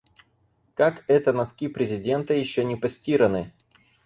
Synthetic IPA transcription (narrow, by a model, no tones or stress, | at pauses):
kakɛt̪ənɐskʲipɾʲɪzʲɪdʲe̞nt̪əjɪɕːonʲɪpɐsʲtʲiɾənɨ